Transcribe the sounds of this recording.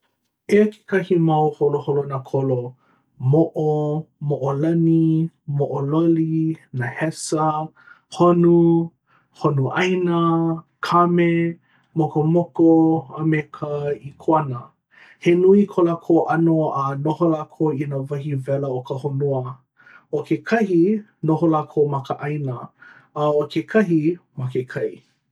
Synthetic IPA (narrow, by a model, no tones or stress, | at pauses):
ekʰe̥kɐhimawholoholonakʰolo | moʔomoʔolɐni | moʔololinahɛsə | honu | honuʔajnə | kʰame | mokomokoəmekʰəikʰoɐnə | henuikʰolakʰoːʔɐnoənoholaːkʰoinavɐɦivɛləokəhonuə | okekʰɐɦi | noɦolaːkʰowmɐkəʔɐjnə | okʰekʰɐɦimakekʰɐj